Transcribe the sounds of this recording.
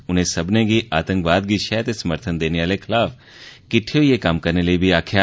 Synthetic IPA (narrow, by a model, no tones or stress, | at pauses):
ʊn̤ẽsɐbneɡiʔaːt̪ə̃ŋkʋaːd̪̚ɡiʃɛːt̪esɐməɾt̪ʰənd̪eːneʋaːlekʰɪlaːf | kɪʈʰijoijekaːmkɐɾneleibʱiaːkʰja